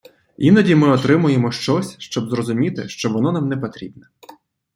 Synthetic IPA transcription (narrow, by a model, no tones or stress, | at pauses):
inɐdʲimɪɔt̪ɾɪmʊjemɔʃt͡ʃɔsʲʃt͡ʃɔbzrɔzʊmʲit̪ɪ̰ʃt͡ʃɔʋɔnɔnamnɛpɔt̪ɾʲḭbnɛ